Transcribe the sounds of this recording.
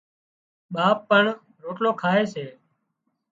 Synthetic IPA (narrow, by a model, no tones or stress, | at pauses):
ɓaːpːəɳ | ɾoːʈloːkʰaːeːseː